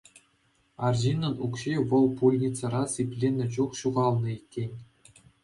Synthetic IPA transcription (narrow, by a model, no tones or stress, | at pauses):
ɑrʑinɤ̆nukɕiʋɤ̆lˠpulʲnʲit̪t͡sɤ̆ɾɑsʲipʲlʲenʲːɘ̆t͡ɕuχɕuʁɑlˠnɤ̆ikʲːenʲ